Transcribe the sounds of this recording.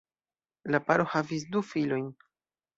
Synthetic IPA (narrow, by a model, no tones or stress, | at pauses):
lapaɾo̞havis̬dufilo̞jn